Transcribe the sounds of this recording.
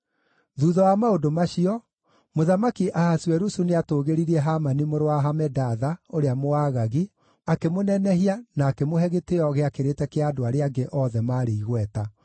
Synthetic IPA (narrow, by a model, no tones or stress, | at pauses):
ðuːðɔwamaodomaʃiɔ | moðamakiʔahaswɛɾusuneatoːɣeɾiɾiɛɦamanimoɾowaɦamɛdaðaoɾeamoaːɣaɣi | akemonɛnɛhianaːkemoɦɛɣeteɔɣeakeɾetɛkeadoaɾeaŋɡeʔɔðɛmaːɾeiɣwɛta